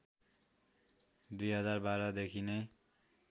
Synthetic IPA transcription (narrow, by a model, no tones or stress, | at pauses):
d̪ujɦʌd͡zarbaɾad̪ekʰine